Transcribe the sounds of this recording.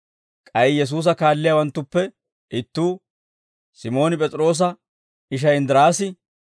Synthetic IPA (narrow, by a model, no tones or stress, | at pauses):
kʼɐɪjɛs̬uːs̬ɐkaːlːɪjawɐnt̪ːʊpːɛ | ʔɪt̪ːuː | sɪmo̞ːnɪpʼɛt͡sʼɾo̞ːs̬ɐ | ɪʃ̬ɐjɪnd̪ɪɾaːsɪ